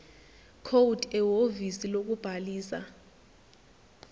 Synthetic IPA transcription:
kʰowud̥ʱɛwovisilok̬ub̥ʱaliːsa̰

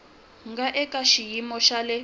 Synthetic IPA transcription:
ŋɡaʔɛkʼaʃijimɔʃalɛ

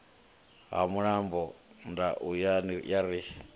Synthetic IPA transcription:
ɦa̰muɺambɔndaʔujanijaɾi

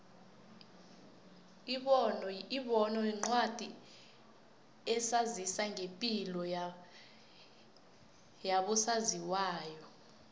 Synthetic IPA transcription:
iɓɔnɔiɓɔnɔiŋ͡ǀwad̥ʱi | ɛsazisaŋʱepʼilɔ | jaɓusaziwaːjɔ

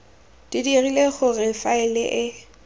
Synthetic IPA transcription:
d̥idirileχʊrɪfaɪlɪʔɪ

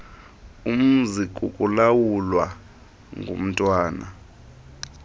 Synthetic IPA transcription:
um̩zikʼṵkʼulawulwa | ŋʱṵm̩tʼwaːna

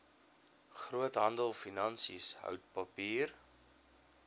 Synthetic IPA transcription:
χruətɦɐndəlˠfinɐnsḭsɦœ̰wt̚pɐpiːr

